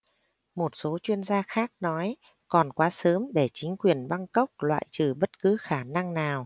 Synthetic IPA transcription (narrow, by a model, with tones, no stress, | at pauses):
mo˨˩t̚so˨˦t͡ɕwi˧ənzaː˧xaː˦˥k̚nɔ˨˦j | kɔ˨˩nkwaː˨˦səː˨˦mɗe˧˩t͡ɕï˨˦ŋ̟kwi˨˩ənɓa˧ŋkə˦˥wk͡p̚lwa̰ː˧˨jt͡ɕɨ˨˩ɓə˦˥t̚kɨ˨˦xaː˧˩na˧ŋnaː˨˩w